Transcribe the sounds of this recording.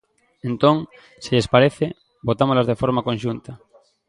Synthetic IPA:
ẽnt̪õŋ | siʎespaɾeθe | bot̪amozlazðefoɾmakõnʃunt̪a

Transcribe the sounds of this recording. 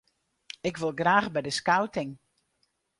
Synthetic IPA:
ɪkʋɪlˠɡraːxbɛjdəskawtɪŋ

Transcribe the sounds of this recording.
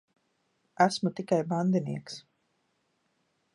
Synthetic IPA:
æsmut̪ikajband̪iniɛks

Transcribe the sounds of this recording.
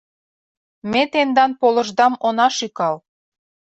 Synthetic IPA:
met̪end̪ɑnpolɤ̆ʒd̪ɑmonɑʃikɑl

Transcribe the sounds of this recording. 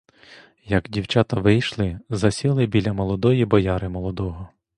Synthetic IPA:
jɐɡdʲiwt͡ʃɑt̪ɐʋɪjʃlˠɪzɐsʲilˠɪbʲilʲɐmɔlˠɔd̪ɔjibɔjɑɾɪmɔlˠɔd̪ɔɦɔ

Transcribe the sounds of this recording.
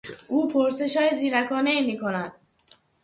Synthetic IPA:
uːpʰoɾseʃɔːiziːɾakʰɔːneimikʰonand̪̥̚

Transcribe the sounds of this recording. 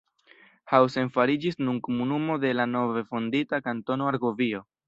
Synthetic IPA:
hawse̞nfaɾid͡ʒisnunkomunumo̞delano̞ve̞fonditakanto̞no̞aɾɡovio̞

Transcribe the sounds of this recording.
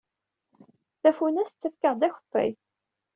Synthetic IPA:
θæfunæst͡sːəfkəʁd̪æçə̥fːæ̰j

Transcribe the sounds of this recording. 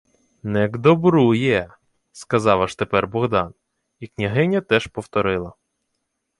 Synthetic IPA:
nɛɡd̪ɔbɾujɛ | skɐzɑʋɐʃt̪epɛrbɔɣd̪ɑn | iknʲɐɦɪnʲɐt̪ɛʃpɔwt̪ɔɾɪlˠɐ

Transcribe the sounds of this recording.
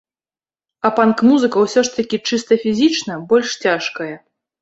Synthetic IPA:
ɐpankmuzɨkɐwsʲɔʂt̪ɐkʲit͡ʂɨst̪ɐfʲizʲit͡ʂnɐbɔlʲʂt͡sʲaʂkɐjɐ

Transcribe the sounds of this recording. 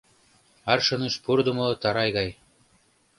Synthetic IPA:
ɑɾʃɤ̆nɯʃpuɾd̪umot̪ɑɾɑjɣɑj

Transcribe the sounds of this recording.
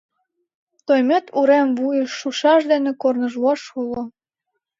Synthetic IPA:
t̪ojmet̪uɾemvujəʃːuʃɑʃd̪enĕkornə̆ʒluɑʃolo

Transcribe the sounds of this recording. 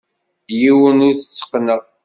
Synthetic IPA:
jiwənuθət͡sːə̥qnəʁ

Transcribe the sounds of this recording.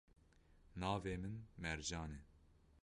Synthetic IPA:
nɑːveːmɨnmɛɾd͡ʒɑːnɛ

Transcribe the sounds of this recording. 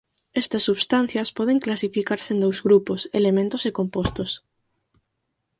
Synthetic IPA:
est̪ɐsːuβst̪an̟θjɐspɔðeŋklasifikaɾsẽnd̪owzɣɾuposḛlemẽnt̪osekompost̪os

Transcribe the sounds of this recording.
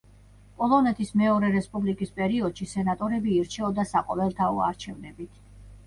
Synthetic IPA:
pʼɔlˠɔnɛt̪ʰismɛɔɾɛɾɛspʼublikʼispʼɛɾiɔd̪̥ʃisɛnat̪ʼɔɾɛbiːɾt͡ʃʰɛɔd̪asaqʼɔlɛlˠt̪ʰaɔa̰ɾt͡ʃʰɛvnɛbit̪ʰ

